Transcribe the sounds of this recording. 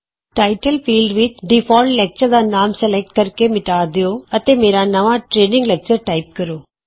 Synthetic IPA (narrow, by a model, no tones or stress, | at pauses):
ʈaɪʈɐlfiːlɖʋit̪ɖifɔːlʈlɛk̚t͡ʃəɾd̪anaːmsɛlɛk̚ʈ̚kɐɾkemɪʈaːd̪ioːɐt̪ːemeːɾanɐʋãːʈɾeːnĩŋɡlɛk̚t͡ʃɐɾʈaɪp̚kɐɾoː